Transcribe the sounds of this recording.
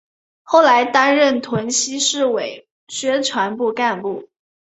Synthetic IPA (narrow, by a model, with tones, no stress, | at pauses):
xo˥˩ʊla˧˥ɪt̪a˥nɻə˥˩nt̪ʰwə˧˥nɕi˥ʂɻ̩˥˩we˨˩˦ɪ | ɕɥɛ˥ʈ͡ʂʰwa˧˥npu˥˧ka˥˧npu˥˩